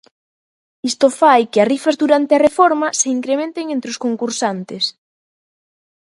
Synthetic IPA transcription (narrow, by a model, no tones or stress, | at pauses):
ist̪ofajkɪarifɐzðuɾant̪eɐrefɔɾmɐseiŋkɾemẽnt̪eŋent̪ɾɪoskoŋkuɾsant̪ɪs